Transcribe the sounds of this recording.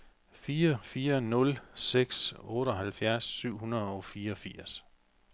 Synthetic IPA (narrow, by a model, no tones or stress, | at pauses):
fiːɐfiːɐnɔ̽lseɡ̥sɔ̽ːɾ̥əɒ̽ɦælfjæɐsːyʊ̰hunɐð̩ˠɒ̽fiːɐɒ̽fiɐ̰s